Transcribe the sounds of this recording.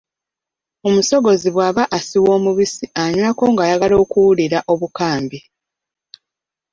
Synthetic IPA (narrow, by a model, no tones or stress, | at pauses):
o̞muso̞ɡo̞ziβwaːβaʔasiwo̞ːmuβisiaɲwako̞ːŋɡajaɡalo̞ːkuwuliɾaʔo̞βukaːmbi